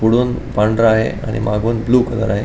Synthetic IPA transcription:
puɽuːnpaɳɖɾəaɦḛa̰ɽ̃ḭmaɡuːnbluːkələɾaɦe

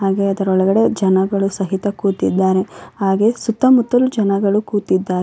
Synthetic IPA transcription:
ɦaːɡe̞ɐd̪ɐɾɔɭɐɡɐɽe̞d͡ʒɐnɐɡɐɭusɐɦit̪ɐkuːt̪id̪ːaːɾe̞haːɡe̞sut̪ːɐmut̪ːɐlud͡ʒɐnɐɡɐɭukuːt̪id̪ːaːɾ

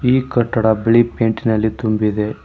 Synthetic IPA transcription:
iːkɐʈːɐɽɐbeɭipeːɳʈinɐlːit̪umbid̪e̞

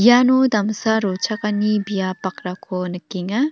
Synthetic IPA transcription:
janodamsaɾɔt͡ʃʰakanibijapak̚ɾakʰɔnɯkiŋa

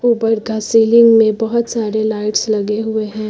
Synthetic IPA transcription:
uːbəɾɡasiːlɪ̃ŋɡmẽbɐɦʊt̪saːɾelaːɪʈslɐɡeɦʊeɦɛ̃ː

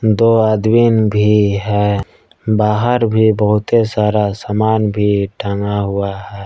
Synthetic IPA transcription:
d̪oːaːd̪winbʱiɦɛː | baːɦəɾbʱibəɦʊt̪esaːɾasaːmaːnbʱiʈʰãːŋɡaɦʊaɦɛː

